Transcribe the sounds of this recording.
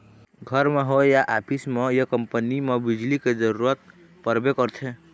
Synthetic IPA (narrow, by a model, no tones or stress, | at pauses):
ɡʱəɾmeɦojaʔaːpʰismejəkəmpənimebid͡ʒliked͡ʒəɾuɾət̪̚ | pəɾbekəɾt̪ʰe